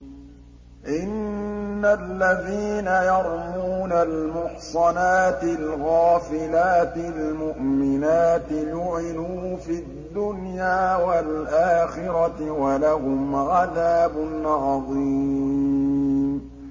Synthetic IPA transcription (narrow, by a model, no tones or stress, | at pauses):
ʔɪnːalːaðiːnajɑɾˤmuːnalmʊħsˤɑnaːt̪ɪlɣaːfɪlaːt̪ɪlmʊʔmɪnaːt̪ɪjʊʕɪnuːfi | d̪ːʊnjaːwalʔaːxɪɾɑwalaɦʊmʕaðaːbʊnʕɑðˤiː | m